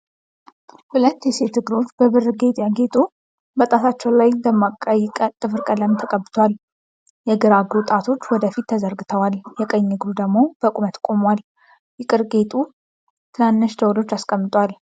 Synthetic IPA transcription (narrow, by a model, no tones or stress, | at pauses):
hulət̪ːjɛse̞t̪ːɨɡɨɾo̞t͡ʃːbəβɨrɨɡe̞t̪ʼjaɡe̞t̪ʼu | bət̪ʼat̪ʰat͡ʃːɛwlajbəmakʼət̪ʼɨfɨɾkʼələmt̪ʰəkʼəbːɨt̪ʰwal | jɛɡɨɾaɡɾut̪ʼat̪ʰo̞t͡ʃːwɔd̪əfit̪ːʰəzəɾɡɨt̪ʰəwaljɛkʼəɲːɨɡɾud̪əɡmo̞b̥əkʼumət̪kʼo̞mwal | jɪkʼɨɾɡe̞t̪ʼu | t̪ʰɨnanːɨʃd̪əwlo̞t͡ʃːaskʼəmːɨt̪ʼwal